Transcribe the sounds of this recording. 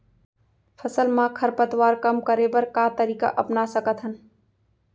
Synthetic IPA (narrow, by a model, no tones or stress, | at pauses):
pʰəsəlmãkʰəɾpət̪waːɾkɐmkəɾebɐɾkat̪əɾiːka̰ʔɐpnasəkət̪ɦən